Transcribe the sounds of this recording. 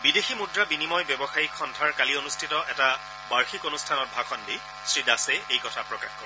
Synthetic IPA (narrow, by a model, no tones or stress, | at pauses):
bideximudɹabinimɔjbɛbɔxaikʰːɔntʰaɹkalionustʰitɔʔɛta | baɹxikonustʰanɔt̚bʱakʰɔndi | sɹidasɛejkɔtʰapɹɔkaxkoɹɛ